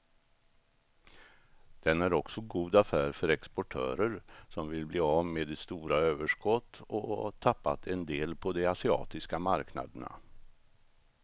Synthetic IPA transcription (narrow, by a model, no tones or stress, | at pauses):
d̪̥ɛnæɾɔksɔɡuːd̪afæːɾfœɾɛkspɔʈʰœ̰ːɾəɾsɔmvɪlbliːameːd̪ɛst̪uːɾaøːvəʂkɔt̪ːɔ̰t̪ʰapːa̰t̪ʰɛnd̪eːlpʰɔd̪ɛasɪɑ̰ːt̪ɪskamaɾkna̰d̪əɳa̰